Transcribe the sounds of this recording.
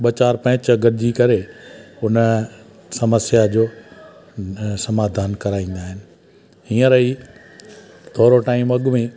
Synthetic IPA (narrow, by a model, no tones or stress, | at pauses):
ɓɐt͡ɕaːɾpɐ̃ɦɪ̃t͡ɕɡɐɾɪd͡ʑikɐɾeʊn | sɐməsjad͡ʑoː | sɐmaːd̪ʱaːnkɐɾaːĩːn̆d̪aːɦɪnɪ̆ | ɦĩːə̃ɾɐi | t̪ʰoːɾoʈaːɪmɐɠmẽ